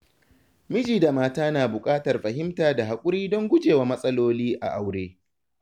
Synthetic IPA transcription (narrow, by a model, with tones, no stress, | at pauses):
mɪ˦d͡ʒiː˨da˨maː˦taː˦naː˨bʊ˨kʼaː˦tɐ˨rɸɐ˨ɦɪ˦mtaː˨da˨ɦa˨kʷʼʊ˦ɽiː˦dɔ˦ŋɡʷʊ˦d͡ʒeː˨waː˦mɐ˦sʼɐ˦loː˦liː˦ʔa̰˨ʔa˨wɽeː˦